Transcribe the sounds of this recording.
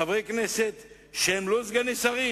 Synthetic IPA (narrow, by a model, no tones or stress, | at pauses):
avʁejkneset̪ | ʃehemlozɡanisaʁi